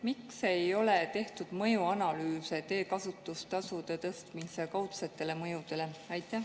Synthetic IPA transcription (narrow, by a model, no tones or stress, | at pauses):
mikse̞jo̞let̪e̞ht̪ud̪̥mɤjuɑnɑlyːse̞t̪e̞ːkɑsut̪ːˑust̪ɑsud̪e̞t̪ɤst̪misekɑwt̪set̪ːˑe̞le̞mɤjud̪̥e̞le̞ɑjt̪ːˑæh